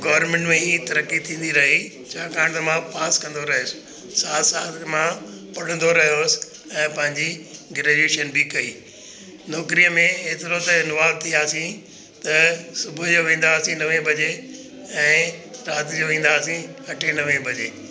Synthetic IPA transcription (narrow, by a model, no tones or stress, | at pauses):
ɡɔːʋəɾmẽɳʈmẽɦiːt̪ɐɾəkːit̪ʰĩːn̆d̪iɾɐɦi | t͡ɕʰaːkaːɽ̃t̪mãpaːskɐ̃nd̪oɾɐɦjos | saːt̪saːt̪ʰmã | pɐɽ̤ə̃nd̪oɾɐɦijoːsɪ̥ | ɛ̃ːpɐ̃ɦɪ̃ɲd͡ʑiɡɪɾeːd͡ʑeːʃənbɪkɐiː | nɔːkɾijəmẽeːt̪ɪɾot̪ɐɪnʊʋaːd̚t̪ʰiaːsĩ | t̪ɐsʊbʱʊd͡ʑoʋẽːn̆d̪aːsĩnɐʋẽbʱɐd͡ʑe | ɛ̃ːɾaːt̪d͡ʑoʋẽːnd̪aːsĩɐʈʰenɐʋẽbʱɐd͡ʑeː